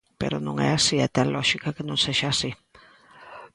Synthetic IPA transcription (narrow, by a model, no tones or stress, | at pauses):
pḛɾonõŋɛ̰asiɛt̪ɛlɔʃikakenõŋseʃaːsi